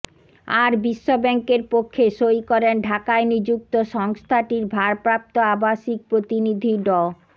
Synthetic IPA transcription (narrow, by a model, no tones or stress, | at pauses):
aɾbiʃːobɛŋkeɾpokʰːeʃojkɔɾenɖʱakaenid͡ʑuk̚t̪oʃɔŋst̪ʰaʈiɾbʱaɾpɾap̚t̪oabaʃik̚pɾot̪inid̪ʱiɖɔ